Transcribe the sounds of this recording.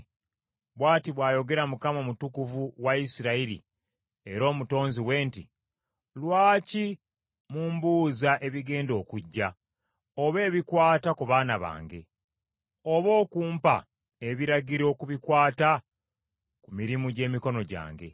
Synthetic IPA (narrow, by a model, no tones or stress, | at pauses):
βwaːtiβwaːjo̞ɡe̞ɾamukamomutukuvuwaisiɾaiɾḭ | e̞ɾo̞ːmuto̞ːnziwe̞ːnti | lwaːci | muːmbuːzaʔe̞βiɡe̞ːndo̞ːkuɟːa | oβe̞ːβikwaːtakuβaːnaβa̰ːŋɡe̞̰ | oβo̞ːkuːmpa̰ | e̞βiɾaɡiɾo̞ːkuβikwaːta | kumiɾimuɟe̞ːmiko̞no̞ɟa̰ːŋɡe̞̰